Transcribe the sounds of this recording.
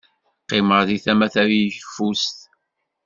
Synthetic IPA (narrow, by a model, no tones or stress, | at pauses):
qːɪməɾðiθæmæθæɾjçfust̪